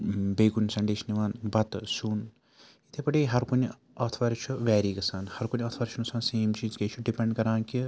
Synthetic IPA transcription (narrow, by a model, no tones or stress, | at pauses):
beːkunsɐɳɖeːʃniʋaːnbɐt̪sun | it̪ʰepɐʈiɦɐɾkun | ɐt̪ʰʋɐɾt͡ʃʰuʋɛːɾiːkɐsaːnhɐɾkunʲɐt̪ʰʋɐɾt͡ʃʰunusaːnseːmt͡ʃiːzket͡ʃʰuɖipeɳɖkɐɾãːnki